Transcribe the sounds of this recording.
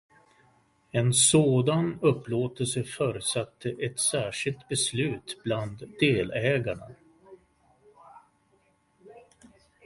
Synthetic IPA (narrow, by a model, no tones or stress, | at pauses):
ɛnsoːd̪anɵpːloːt̪əlsəfœːɾəsat̪ʰːəʔɛt̪sæːʂɪlt̪bɛslʉ̟ːt̪bland̪eːlɛːɡaɳa̰